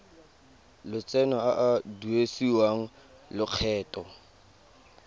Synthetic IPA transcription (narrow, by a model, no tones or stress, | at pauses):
lʊt͡sʼɛnɔaʔaduesiwaŋ̩ | lʊq͡χʰɛːtʼɔ